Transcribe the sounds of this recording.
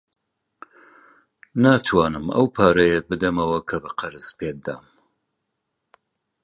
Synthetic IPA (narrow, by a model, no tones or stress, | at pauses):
naːt̪ʰwaːnɨmɐ̰wpʰaːɾɐjet̚bɨd̪ɐmɐwɐkʰɐbɨqʰɐɾɨz̥pʰeːd̪a̰ːm